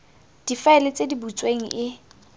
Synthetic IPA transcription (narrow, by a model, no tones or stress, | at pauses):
d̥ifaɛlɪt͡sʼedibut͡sʼweŋ̩ʔɪ